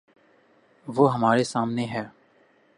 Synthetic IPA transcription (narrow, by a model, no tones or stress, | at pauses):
ʋoːɦəmaːɾesaːmneɦɛː